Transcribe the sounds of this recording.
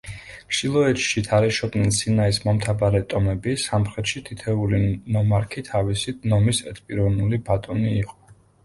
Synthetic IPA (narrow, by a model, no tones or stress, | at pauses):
ʃilˠɔɛt͡ʃʃit̪ʰaɾɛʃɔbnɛnsinaismɔmt̪ʰabaɾɛt̪ʼɔmɛbisamχɾɛt̪ʃit̪ʰit̪ʰɛulinɔmaɾkʰit̪ʰavisinɔmisɛ̰t̪ʰʼpʼiɾɔvnulibat̪ʼɔniːqʼɔ̥